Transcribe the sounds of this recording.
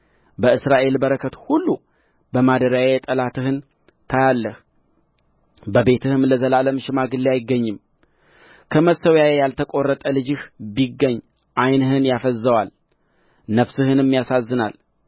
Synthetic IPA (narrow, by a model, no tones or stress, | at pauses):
bəɨsɾaʔe̞lbəɾəkʰət̪hulːu | bəmad̪əɾajet̪ʼəlat̪ɨhɨn | t̪ʰajalːəh | bəbe̞t̪ʰɨhɨmləzəlaləmʃɪmaɡɨlːeajɪɡːəɲːɨm | kʰəməsəwjajejalt̪ʰəkʼo̞rːət̪ʼəlɨd͡ʒɪhbiɡːəɲː | ʔajnhɨnjafəzːəwal | nəfsɨhɨnɨmːijasazːɨnal